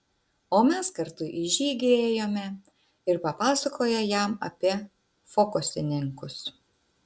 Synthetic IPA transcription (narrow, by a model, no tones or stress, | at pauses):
oːmʲɛskɐɾt̪ʊʔɪʒʲiːɡʲeːjoːmʲɛ | ɪɾpɐpɑːsɐkoːjɛjæˑmɐ̰pʲiɛ | fokʊsʲɪnʲɪŋkʊs